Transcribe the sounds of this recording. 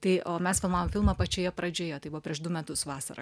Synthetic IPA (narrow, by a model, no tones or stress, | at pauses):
t̪ɐɪʔoːmʲɛsfʲɪlˠmɑːʋoːmʲfʲɪlˠmɐpɐt͡ʃʲoːjɛpɾɐd͡ʒʲoːjɛːt̪ɐɪbʊʋɐːpʲɾʲiɛʃd̪ʊmʲɛt̪ʊsʋɑːsɐ̰ɾɐ̰